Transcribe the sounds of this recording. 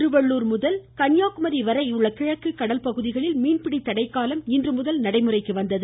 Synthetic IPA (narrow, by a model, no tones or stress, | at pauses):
ɾɯʋɐɭːuːɾmʊðɐlkɐnjaːkɯmɐɾiʋɐɾɐjɯɭːɐkɪɻɐkːɯkːɐɽɐlpɐɣɯðɪɣɐɭɪlmiːnpɪɽit̪ːɐɽɐɪkːaːlɐmɪndrɯmʊðɐlnɐɽɐɪmɯrɐɪkːɯʋɐnd̪ɐðɯ